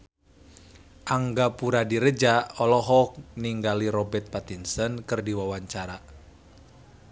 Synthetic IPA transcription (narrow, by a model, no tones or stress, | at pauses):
ʔaŋɡapuɾadiɾəd͡ʒaɔlɔɦɔk̚niŋɡaliɾɔbɛrt̪̚pat̪insənkɨrdiwawaɲt͡ʃaɾa